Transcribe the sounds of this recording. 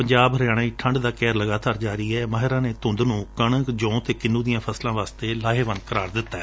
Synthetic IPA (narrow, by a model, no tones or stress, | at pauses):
pəɲd͡ʒaːbɾjaːɽ̃aːiːʈʰə̃ɳɖd̪aːkɛːɾləɡaːt̪aːɾd͡ʒaːɾiːɛːməɦɪɾãːneːt̪ʊ̃nd̪nũːkəɳəkd͡ʒõːt̪eːkɪnũːd̪ɪjãːpʰəslãːʋaːst̪eːlaːɦeːʋənd̪̚kəɾaːɾd̪ɪt̪ːaɛː